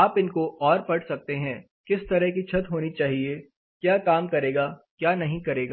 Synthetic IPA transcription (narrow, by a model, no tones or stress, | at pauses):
aːpɪnkoʔɔːɾpɐɽsɐk̚t̪eɦɛ̃ | kɪst̪ɐɾəɦkit͡ʃʰɐt̪ɦoːnit͡ʃaːɦie | kjaːkaːmkɐɾeːɡaːkjaːnɐɦĩkɐɾeːɡa